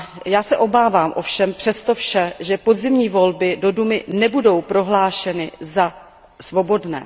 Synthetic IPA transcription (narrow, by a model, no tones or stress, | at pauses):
jaːsɛʔo̞baːvaːmʔo̞fʃɛmpr̥ɛst̪o̞fʃɛʒɛpo̞dzɪmɲiːvo̞lbɪdo̞dumɪnɛbudo̞wpɾo̞ɦlaːʃɛnɪza | svo̞bo̞dnɛ̰ː